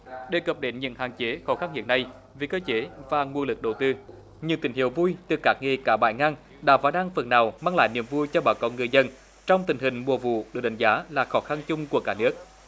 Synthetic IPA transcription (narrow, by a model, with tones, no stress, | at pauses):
ɗe˨˩kə˨˩p̚ɗe˨˦nɲɨ̰˧˥ŋɦaː˨˩nt͡ɕe˨˦xɔ˨˦xa˧nhḭ˧˨ənːa˧˩j | ve˨˩kəː˧t͡ɕe˨˦vaː˨˩ŋwu˧əŋlɨ˨˩k̚ɗə˨˩wt̪ɨ˧ | ɲɨ̰˧˥ŋt̪ï˧˩ŋ̟hḭ˧˨əwvu˧jt̪ɨ˨˩kaː˦˥k̚ŋe˨˩kaː˧˩ɓa̰ː˧˩jŋaː˧ŋ | ɗa̰ː˧˥vaː˨˦ɗaː˧ŋfə˨˩nnaː˨˩wmaː˧ŋla̰ː˧˨jnḭ˧˩əmvu˧jt͡ɕɔ˧ɓaː˨˩wkɔ˨˦ŋɨ˨˩əjzə˧n | t͡ɕɔ˧wŋ͡mt̪ï˨˩ŋ̟hï˨˩ŋ̟mu˨˩əvṵ˧˨ɗɨː˨˩ɗa˨˦ŋ̟zaː˨˦laː˨˩xɔ˨˦xa˧nt͡ɕʊ˧ŋ͡mku˧˩əkaː˧˩nɨ˦˥ək̚